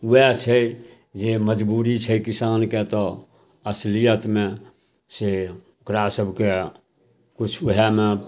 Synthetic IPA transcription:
uɛt͡ʃʰə | d͡ʒeməd͡ʒbuɾit͡ʃʰəkisanket̪ɔ | əslijət̪me | se | okɾasəbʱke | kut͡ʃʰuɦɛme

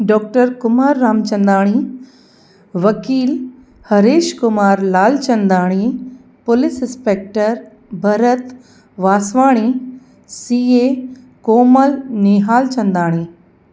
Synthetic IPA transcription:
ɖɔːk̚ʈəɾkʊmaːɾːaːmt͡ɕɐ̃nd̪aːɽ̃i | ʋɐkiːl | hɐɾeːʃkʊmaːɾlaːlt͡ɕɐ̃nd̪aːɽ̃i | pʊlɪsɪ̃nspeːk̚ʈəɾ | bʱɐɾət̪ | ʋaːsʋaːɽ̃i | siːe | koːməlneːɦaːlt͡ɕɐ̃nd̪aːɽ̃iː

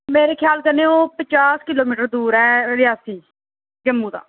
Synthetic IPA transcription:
meːɾeːkʰjaːlkəneːoːpət͡ʃaːskɪloːmiːʈəɾd̪uːɾɛːɾɪjaːsiː | ɡəmːũːd̪ã̰ː

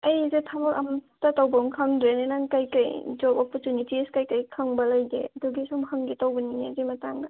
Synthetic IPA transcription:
ɐjzetʰamɔɾʔɐm | tatawbɐmkʰaŋdɾenenaŋkajkɐjd͡ʒɔbɔpɔɾtunitiskajkajkʰaŋbɐlɐjɡḛɐdɔɡisumhaŋɡitawbɐniŋezimɐtaŋɡɐ

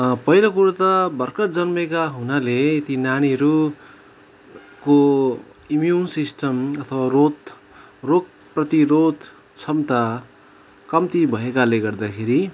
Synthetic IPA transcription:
pʌɦilak̬uɾat̪ʌbʌrkʌd͡zʌnmekaɦunaleːt̪inañiɦʌɾu | ko | imjunsisʈʌmʌt̪ʰʌwarot̪ | rok̚ | prʌt̪iɾod̪ | t͡sʰʌmt̪a | kʌmt̪ibʱʌekaleɡʌrd̪akʰeɾi

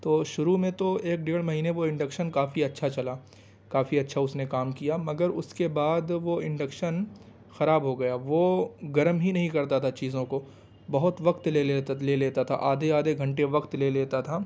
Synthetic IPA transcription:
t̪oːʃʊɾumẽt̪oeːk̚ɖeːɽmɐɦiːneʋoɪ̃ɳɖəkʃənkaːfiɐtːʃʰat͡ʃɐla | kaːfiɐtːʃʰaʊsnekaːmkijamɐɡəɾʊskebaːd̪ʋoɪ̃ɳɖəkʃən | xɐɾaːbɦoɡɐjaːʋoɡɐɾmɦinɐɦĩkɐɾt̪at̪ʰat͡ʃiːzõko | bɐɦʊt̪ʋɐkt̪leeleːleːt̪at̪ʰa̰ʔaːd̪eaːd̪eɡʱɐ̃ɳʈeʋɐkt̪leːleːt̪at̪ʰaː

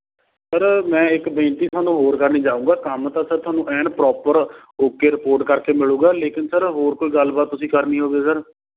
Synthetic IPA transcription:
səɾmɛ̃ːɪkbẽːnt̪iːt̪ʰʊaːnũːɦoːɾkəɾnĩːd͡ʒaːũːŋɡaːkəmt̪ãːsəɾt̪ʊaːnũːʔɛːɳɖpɾɔːpəɾ | oːkeːɾɪpoːɾʈkəɾkeːmɪlũːɡaːleːkɪnsəɾɦoːɾkoːiːɡəlbaːt̪ːʊsĩːkəɾniːɦoːɡeːsəɾ

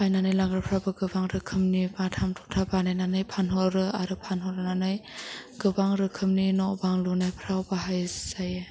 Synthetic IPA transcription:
pajnanɯjlaŋɡɾapʰɾawbaɡɯbaŋɾɯkʰɯmnibatʰamtʰɔtʰabanajnanɯjpʰanɦɔɾɯaɾɯpʰanɦɔɾɯnanɯjɡ̥ɯbaŋɾɯkʰɯmninɔbaŋlunajpʰɾawbaɦajzaje

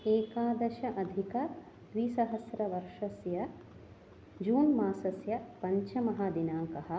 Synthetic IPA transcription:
eːkaːd̪ɐʃɐʔɐd̪ʱikɐ | d̪ʋisɐɦɐsɾɐʋɐɾʂɐsjɐ | d͡ʒuːnmaːsɐsjɐpɐɲt͡ʃɐmɐɦaːd̪inaːŋkɐɦɐ̆

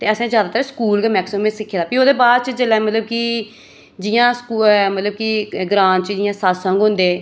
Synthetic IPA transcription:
t̪eːəsẽːzjaːd̪aːt̪əɾskuːlɡːmɛːksɪmẽsɪkʰːeːd̪aːpioːd̪eːbaːd̪t͡ʃəd͡ʒəlɛːmət̪ləb̚ki | d͡ʒɪjãːskumət̪ləb̚kiɡɾãːnt͡ʃəd͡ʒɪjãːsaːsãŋɡɦʊ̃nd̪eː

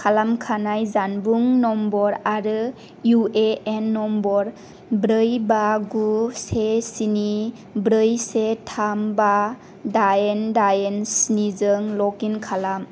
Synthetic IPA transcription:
kʰalamkʰanajzanbuŋnɔmbɔɾaɾɯ | jueenːɔmbɔɾ | bɾɯjbaɡusesini | bɾɯjsetʰamba | daendajensnizɯŋlɔkinkʰalam

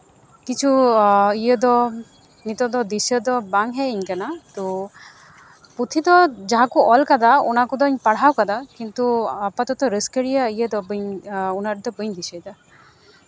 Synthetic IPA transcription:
kit͡ʃʰuijəd̪ɔ | nit̪ɔd̪ɔd̪isəd̪ɔbaŋɦɛiɲkanat̪u | put̪ʰid̪ɔd͡ʒaɦakuʔɔlkad̪aɔnakud̪ɔɲpaɽ̤awkad̪akint̪uapat̪ɔt̪ɔɾəskəɽijaijəd̪ɔbɯɲunaɾd̪ɔbɯɲd̪isəjd̪a

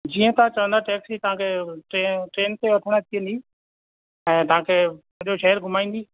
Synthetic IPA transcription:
d͡ʑiːə̃t̪ɐãt͡ɕɐʋə̃nd̪aʈeːksiːt̪ɐʋ̤ãkʰeʈeʈɾeːnt̪eʋɐʈʰəɽ̃at̪ʰijə̃nd̪iː | ɛ̃ːt̪ɐɦãkʰeː | ʊoʃɐɦəɾɡʱʊmaːĩn̆d̪iː

